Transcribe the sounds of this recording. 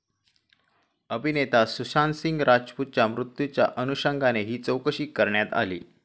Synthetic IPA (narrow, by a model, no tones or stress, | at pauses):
əbʱinet̪asusansiŋɡɾʔad͡ʑput̪̚t͡ɕamɾut̪jut͡ɕja̰ʔənuɕəŋɡaneɦiːt͡səwkəɕiːkːəɾɳjat̪a̰lḭː